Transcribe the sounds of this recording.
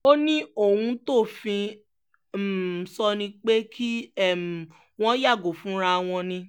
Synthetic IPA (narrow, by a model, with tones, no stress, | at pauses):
o˦nĩ˦o˦˨wũ˧to˦˨fĩ˧˨ | sɔ˧nĩ˧k͡pe˦kʰi˦ɛ˦˨m˨ | w̃ɔ̃˦ja˦˨ɡo˨fũ˦ɾa˧w̃ɔ̃˧nĩ˧